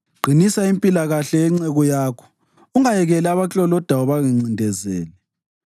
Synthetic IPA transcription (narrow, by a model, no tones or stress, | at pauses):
ɡ͡ǀʱinisaimpʼilaɣaɬɛɛŋ͡ǀɛɣɔjaːkʰɔ̥ | uŋajɛɣɛlɛaβat͡ɬʼɔlɔd̥ʱaɔβaɣiŋ͡ǀindʱɛzɛːlɛ